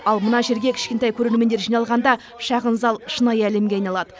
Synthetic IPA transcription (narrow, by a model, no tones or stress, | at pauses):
ɑlˠmənɑʒe̞ɾɡʲekʲʰɪ̥ʃkʲe̞nt̪ɑjkʲʰɵɾe̞ɾme̞nd̪eɾʒijnɑlˠʁɑnd̪ɑ | ʃɑʁənzɑlˠəʃənɑjæle̞mɡʲe̞ɑjnɑlˠɑd̪ə